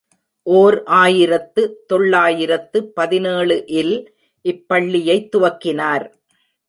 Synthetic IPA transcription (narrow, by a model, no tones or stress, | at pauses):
ʔoːɾʔaːjɪɾɐt̪ːɯt̪ɔɭːaːjɪɾɐt̪ːɯpːɐðɪneːɭɯʔɪl | ʔɪpːɐɭːɪjɐɪt̪ːʊʋɐkːɪnaːɾ